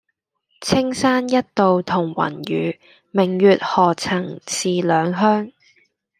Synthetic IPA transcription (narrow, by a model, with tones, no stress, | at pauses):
t͡sʰɪ˥ŋsaː˥njɐ˥t̚t̪o˨wt̪ʰʊ˨˩ŋwɐ̰˨˩njy̰ː˨˧ | mɪ˨˩ŋjyː˨t̚hɔː˨t͡sʰɐ˨˩ŋsiː˨lœː˨˧ŋɦœː˥ŋ